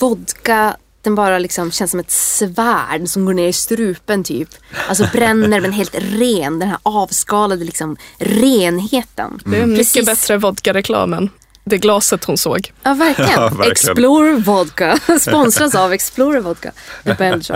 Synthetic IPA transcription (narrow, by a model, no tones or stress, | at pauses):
vɔd̪ka | d̪̥ɛnbɑːɾalɪksɔmɕɛnsɔmɛt̪svæːɖsɔmɡoːɳeːɾɪst̪ɾʉ̟ːpənt̪ʰy̰ːpʔals̬ɔbɾɛnːəɾmɛnɦeːlt̪ɾeːnd̪ɛnɦæ̰ːɾɑːvskɑːlad̪əlɪksɔmɾeːnɦeːt̪ə̰nd̪ɛɛmʏsːəbɛt̪ɾəvɔd̪kaɾɛkʰlɑ̰ːmən | d̪ɛɡlɑːsət̪hʊnso̰ːɡjɑːvæɾklɪənɛksploɾvɔd̪kaspɔnsɾasavɛksploɾvɔd̪̚ka̰d̪əbɛld͡ʒɔ̰